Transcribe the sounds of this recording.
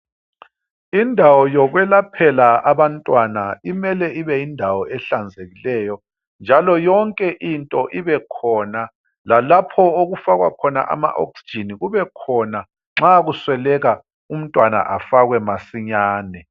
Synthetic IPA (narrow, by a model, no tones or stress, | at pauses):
indʱawɔjɔɣwɛlapʰɛlaaβantʼwanaimɛlɛiβɛjindʱawɔɛɬand͡zʱeɣilɛjɔ | nd͡ʒʱalɔjɔŋkʼɛʔintʼɔʔiβɛkʰɔna | lalapʰɔoɣufaɣwa̰kʰɔna̰ʔa̰ma̰ʔo̰ksi̥d͡ʒʱiniɣuβɛkʰɔna | ŋ͡ǁaɣuswɛlɛɣa | um̩tʼwana̰ʔafaɣwɛmasiɲaːnɛ